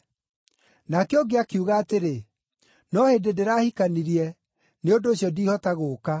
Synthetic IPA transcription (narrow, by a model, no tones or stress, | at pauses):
nakeoɡeakeuɣaːteɾe | nɔheːndedeɾaːhikaniɾiɛ | neondoːɕjɔdiːhɔtaɣoːka